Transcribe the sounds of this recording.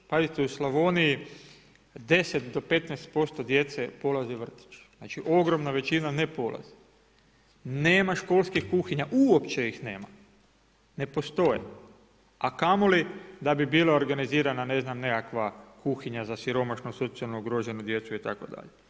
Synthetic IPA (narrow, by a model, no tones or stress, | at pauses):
pazit̪euslaʋo̞niji | d̪e̞set̪d̪o̞pe̞t̪nɛst̪̚po̞st̪o̞d̪jet̪sepo̞laziʋr̩t̪i̥t͡ʃz̥nat͡ʃiʔo̞ɡɾo̞mnaʋe̞t͡ʃinane̞po̞lˠʔa̰zi̥ | neːmaʃko̞ːlˠskixkuxiɲaʔuopt͡ʃe̞ixne̞ːma | ne̞po̞st̪o̞jḛ | akamolid̪abibiːlˠaoɾɡaniziːɾanane̞znamne̞kakʋakuxiɲazasiɾo̞maʃnoso̞t̪sialˠnouɡɾoʒe̞nud̪je̞t̪suit̪a̰ko̞̰d̪a̰ʎe